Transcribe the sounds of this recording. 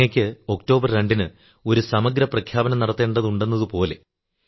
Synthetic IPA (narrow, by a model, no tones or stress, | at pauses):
ɐkʲːɨo̞kto̞ːbɐrɾeɳɖinɨ | o̞ɾusɐmɐɡɾɐprɐkʰjaːbɐnɐmnɐɽɐt̪ːe̞ːɳɖɐðuɳɖe̞nːɐðɨpo̞ːle̞